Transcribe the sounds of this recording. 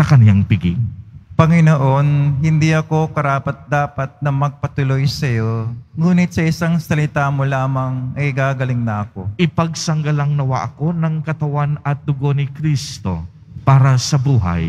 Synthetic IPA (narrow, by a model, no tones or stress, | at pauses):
sɐkɐnjaŋpɪɡɪ̰ŋpɐŋɪnoʔo̞nɦɪnd̪iɐko̞kɐɾaːpɐt̪̚d̪aːpɐt̪̚nɐmɐɡ̚pɐt̪ʊlojsɐjo̞ŋuːnɪt̪̚sɐʔɪsaŋsɐlɪt̪aːmolaːmɐŋɐɪɡaːɡɐlɪŋnɐɐko̞ʔɪpɐɡ̚sɐŋɡɐlaŋnɐwa̰ʔɐko̞nɐŋkɐt̪ɐwanɐt̪̚d̪ʊɡo̞nɪkɾist̪o̞̰ | paːɾɐsɐbuːɦɐ̰j